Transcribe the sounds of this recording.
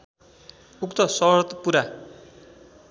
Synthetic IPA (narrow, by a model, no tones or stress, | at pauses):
ukt̪ʌsʌɾʌt̪puɾa